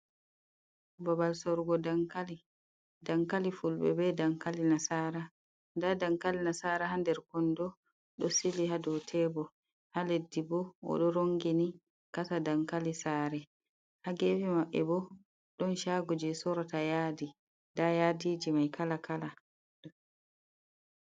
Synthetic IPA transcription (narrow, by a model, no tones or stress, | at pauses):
babalsɔɾɡɔdaŋkali | daŋkalifulbɛ̰bɛdaŋkalinasaɾa | ndadaŋkalinasaɾaɦandɛɾkɔndɔ | ɗɔsiliɦadɔwtʰɛːbɔ | haledːibɔɔ̰ɗɔɾoŋɡini | katadaŋkalisaːɾɛ | haɡevimaɓːɛ̰bɔ | ɗɔnʃaːɡɔd͡ʒɛsɔɾɔtajaːdi | dajadiːd͡ʒimajkʰalakala